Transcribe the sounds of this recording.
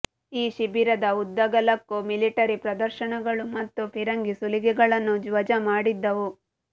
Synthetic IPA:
iːʃibiɾɐd̪ɐud̪ːɐɡɐlɐkːumiliʈɐɾipɾɐd̪ɐɾʃɐɳɐɡɐɭumɐt̪ːupʰiɾɐŋɡisuliɡɛɡɐɭɐnːud͡ʒʋɐd͡ʒɐmaːɽid̪ːɐʋu

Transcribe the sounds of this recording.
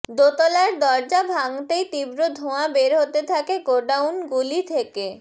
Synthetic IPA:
d̪ot̪olaɾd̪ɔɾd͡ʑabʱaŋt̪ejt̪ibɾod̪ʱoabeɾɦot̪et̪ʰakeɡoɖawnɡulit̪ʰeke

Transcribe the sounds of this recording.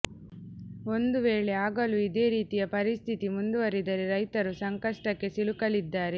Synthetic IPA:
o̞nd̪uʋeːɭe̞aːɡɐluid̪e̞ːɾiːt̪ijɐpɐɾist̪ʰit̪imund̪uʋɐɾid̪ɐɾeɾɐjt̪ɐɾusɐŋkɐʂʈɐkːe̞silukɐlid̪ːaːɾe̞

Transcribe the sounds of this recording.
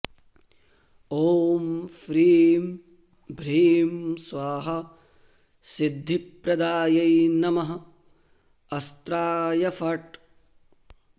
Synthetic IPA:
oːmfɾiːm | bʱɾiːmsʋaːɦɐ | sid̪ʱːipɾɐd̪aːjɐjnɐmɐɦɐ̆ | ɐst̪ɾaːjɐfʰɐʈ

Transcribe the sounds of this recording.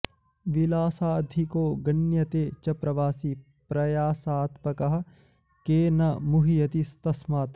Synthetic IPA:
ʋilaːsaːd̪ʱikoːɡɐnjɐt̪eːt͡ʃɐpɾɐʋaːsi | pɾɐjaːsaːt̪pɐkɐɦɐ̆ | keːnɐmuɦijɐt̪ist̪ɐsmaːt̪

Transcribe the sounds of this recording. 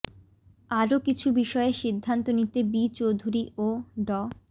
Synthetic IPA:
aɾokit͡ɕʰubiʃɔeʃid̪ʱːant̪onit̪ebit͡ɕowd̪ʱuɾiʔoɖɔ

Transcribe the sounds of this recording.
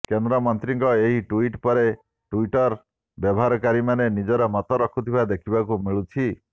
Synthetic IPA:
kend̪ɾɔmɔnt̪ɾiŋkɔeɦiʈuiʈpɔɾe | ʈuiʈɔɾ | bjɔbɔɦaɾɔkaɾimanenid͡ʒɔɾɔmɔt̪ɔɾɔkʰut̪ʰibad̪ekʰibakumiɭut͡ʃʰi

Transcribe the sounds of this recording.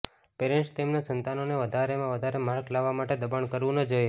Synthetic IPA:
peɾɛ̃ɳʈst̪emnasənt̪anoneʋəd̪ʱaɾemãʋəd̪ʱaɾemaɾklaʋːamaʈed̪əbaɳkəɾʋũnəd͡ʒoje

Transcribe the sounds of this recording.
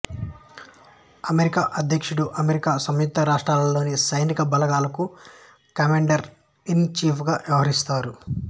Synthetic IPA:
ɐmeɾikaːʔɐd̪ʱjɐkʂuɽuʔɐmeɾikaːsɐmjud̪ːɐɾaːʂʈɾaːlɐlo̞ːnisɐjnikɐbɐlɐɡaːlɐku | kɐmeːɳɖɐɾ | int͡ʃiːpʰɡaːʋjɐʋɐɦɐɾist̪aːɾu

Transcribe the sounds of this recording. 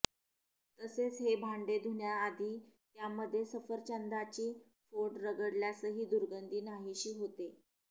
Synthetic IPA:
t̪əset͡sɦebʱaɳɖed̪ʱuɳjaːd̪ʱiːt̪jamːəd̪ʱːjesəfəɾt͡ɕənd̪at͡ɕiː | foʈɾəɡəɽljasəɦiːd̪uɾɡənd̪ʱiːnaɦiɕiːɦot̪e

